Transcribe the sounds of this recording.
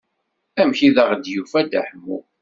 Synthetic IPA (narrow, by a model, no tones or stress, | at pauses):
æmçiðəʁd̪jufæd̪əħəmːṵ